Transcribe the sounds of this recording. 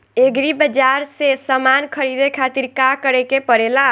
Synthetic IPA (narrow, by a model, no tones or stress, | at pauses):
eɡɾibəd͡ʒaɾsesəmankʰəɾid̪ekʰat̪iɾkakəɾɛkepəɾela